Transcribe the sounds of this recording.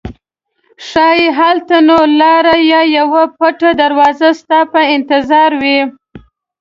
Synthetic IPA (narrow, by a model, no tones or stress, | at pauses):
ʂɑjeɦalt̪anolɑɾajɑjawapaʈad̪aɾwɑzast̪ɑpaɪnt̪ɪzɑɾwi